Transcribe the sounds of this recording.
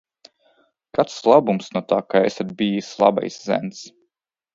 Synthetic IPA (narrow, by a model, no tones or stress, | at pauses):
kat̪slˠabumsnuɔt̪aːkaɛsad̪̚bijisʲlˠa̰ba̰jszɛ̰nt̪s